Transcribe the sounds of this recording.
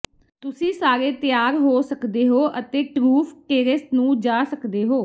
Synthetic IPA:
t̪ʊsĩːsaːɾeːt̪ɪjaːɾɦoːsəkd̪eːɦoːʔət̪eːʈɾuːpʰkeːɾəsnũːd͡ʒaːsəkd̪eːɦoː

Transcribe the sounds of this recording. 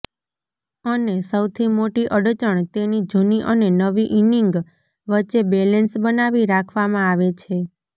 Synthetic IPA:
ənesəwt̪ʰimoʈiʔəɽt͡ʃəɳt̪enid͡ʒuniʔənenəʋiʔiniŋɡ | ʋəːt͡ʃebelensbənaʋiɾakʰʋamãaʋet͡ʃʰe

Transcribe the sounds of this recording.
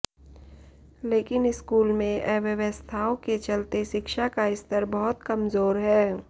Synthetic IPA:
leːkɪnɪskuːlmẽʔɛːʋəʋəst̪ʰaːõket͡ʃɐlt̪eʃɪkʃakaɪst̪əɾbəɦʊt̪kɐmzoːɾɦɛː

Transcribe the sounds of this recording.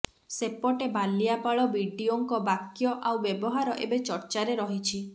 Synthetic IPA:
sepɔʈebaliapaɭɔbiɖioŋkɔbakjɔʔawbjebɔɦaɾɔʔḛbet͡ʃɔɾt͡ʃaɾeɾɔɦit͡ʃʰi

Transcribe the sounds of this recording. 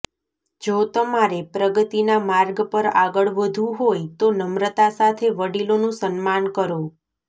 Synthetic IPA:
d͡ʒot̪əmaɾepɾəɡət̪inamaɾɡpəɾaɡəɭʋəd̪ʱũɦojt̪onəmɾət̪asat̪ʰeʋəɽilonũsənmankəɾo

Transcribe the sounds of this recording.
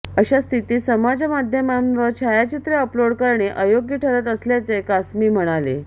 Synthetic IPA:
əɕast̪ʰit̪iːsəmad͡ʑamad̪ʱjəmamʋəɾt͡ɕʰajat͡ɕit̪ɾeəploɽkəɾɳeʔəjoɡjəʈʰəɾət̪əsljat͡sekasmiːm̤əɽ̃alḛ

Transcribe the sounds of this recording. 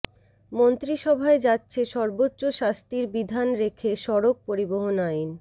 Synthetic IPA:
mont̪ɾiʃɔbʱaed͡ʑatːɕʰeʃɔɾbotːɕoʃast̪iɾbid̪ʱanɾekʰeʃɔɾok̚poɾiboɦonajn

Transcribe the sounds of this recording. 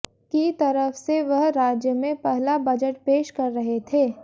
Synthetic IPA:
kit̪ɐɾəfseʋɐɦɾaːd͡ʒjəmẽpɛɦlabɐd͡ʒəʈ̚peːʃkɐɾːɐɦet̪ʰeː

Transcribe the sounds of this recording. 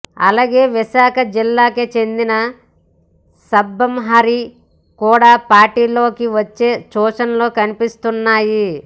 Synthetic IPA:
ɐ̰laːɡeːʋiʃaːkɐd͡ʒilːaːket͡ʃe̞nd̪inɐ | sɐbːɐmɦɐɾi | kuːɽaːpaːɾʈiːlo̞ːkiʋɐt͡ʃːe̞ːt͡ʃɔːʂɐnlo̞ːkɐnipist̪unːaːji

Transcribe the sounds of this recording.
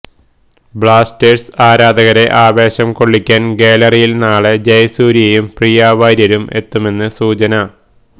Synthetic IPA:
bɭaːstersaːɾaːd̪ɐɣɐɾe̞ʔaːʋe̞ːɕɐmko̞ɭːikʲːaːnɡeːlɐrijilnaːɭed͡ʑɐjsuːɾijɐjumprijaːʋaːɾjɐɾume̞t̪ːume̞nːɨsuːt͡ɕɐnɐ

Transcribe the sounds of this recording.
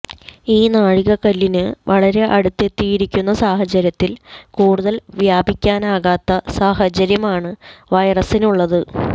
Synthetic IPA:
iːnaːɻiɣɐkɐlːinɨʋɐɭɐɾe̞ʔɐɽut̪ːe̞t̪ːijiɾikʲːunːɐsaːhɐt͡ɕɐɾjɐt̪ːilkuːɽuðɐlʋjaːbikʲːaːnaːɣaːt̪ːɐsaːhɐt͡ɕɐɾjɐmaːɳɨʋɐjrɐsinuɭːɐðɨ

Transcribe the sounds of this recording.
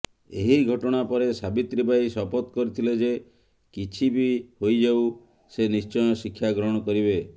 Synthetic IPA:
eɦiɡʱɔʈɔɽ̃apɔɾesabit̪ɾibajsɔpɔt̪kɔɾit̪ʰiled͡ʒe | kit͡ʃʰibihojd͡ʒaw | senist͡ʃɔjɔsikʰːjaɡɾɔɦɔɽ̃ɔkɔɾibe

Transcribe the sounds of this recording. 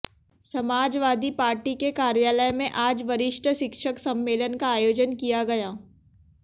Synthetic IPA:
sɐmaːd͡ʒʋaːd̪ʱipaːɾʈikekaːɾjaːləjmẽʔaːd͡ʒʋɐɾɪʃʈʰəʃɪkʃəksɐ̃mːeːlənkaaːjoːd͡ʒənkijaɡɐjaː

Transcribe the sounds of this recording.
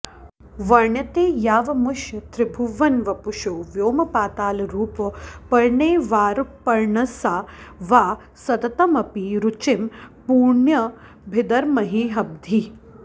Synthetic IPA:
ʋɐɾɳjɐt̪eːjaːʋɐmuʃjɐt̪ɾɪbʱuʋɐnʋɐpuʃoːʋjoːmɐpaːt̪aːlɐɾuːpɐpɐɾɳeːʋaːɾpɐɾɳɐsaːʋaː | sɐt̪ɐt̪ɐmɐpiɾut͡ʃimpuːɾɳjɐ | bʱɪd̪ɐɾmɐɦiːɦɐb̚d̪ʱi

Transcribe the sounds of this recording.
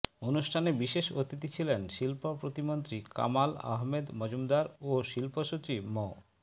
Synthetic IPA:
onuʃʈʰanebiʃeʃot̪it̪it͡ɕʰilenʃilpopɾot̪imont̪ɾika̰mala̰ɦmed̪mɔd͡ʑumd̪aɾoʃilpoʃut͡ɕibmo

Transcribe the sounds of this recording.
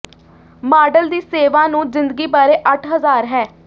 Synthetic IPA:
maːɖəld̪iːseːʋãːnũːzɪ̃nd̪əɡiːbaːɾeːʔəʈʰɦəzaːɾɦɛː

